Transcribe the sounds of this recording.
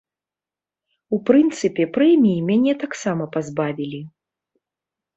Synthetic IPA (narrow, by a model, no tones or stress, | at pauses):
upɾɨnt̪sɨpʲɛpɾɛmʲijimʲanʲɛt̪aksamɐpazbavʲilʲi